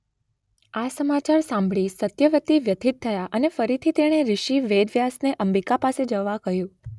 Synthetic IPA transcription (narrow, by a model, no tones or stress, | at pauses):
asəmat͡ʃaɾsãmbʱɭisət̪jəʋət̪iʋjət̪ʰit̪ʰːəjaʔənefəɾit̪ʰit̪eɽ̃eɾɪʃiʋed̪ʱʋjasneʔəmbikapased͡ʒəʋːakəɦjũ